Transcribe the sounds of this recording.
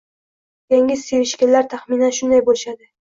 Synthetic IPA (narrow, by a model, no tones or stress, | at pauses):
jaŋʲɪseɾɪʃkʲalːaɾt̪ʰaχminanʃʊnd̪ajbolɪʃad̪ɪ